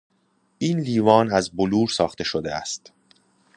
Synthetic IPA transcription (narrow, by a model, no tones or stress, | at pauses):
ʔiːnliːvɒːnæzboluːɾsɒːχt̪ʰe̞ʃod̪eæ̰st̪